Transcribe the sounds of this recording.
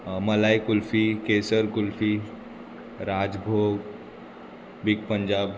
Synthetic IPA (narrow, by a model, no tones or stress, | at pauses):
məlajkulfikesəɾkulfi | ɾad͡ʒbʱoɡ | bikpəɲd͡ʒaːb